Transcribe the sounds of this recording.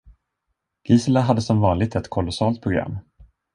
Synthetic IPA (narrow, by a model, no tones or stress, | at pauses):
ɡ̥iːsəlaɦad̪ːəsɔmvɑːnlɪɡ̚t̪ɛt̪kʰɔlɔsɑːlt̪̚pʰɾʊɡɾa̰mː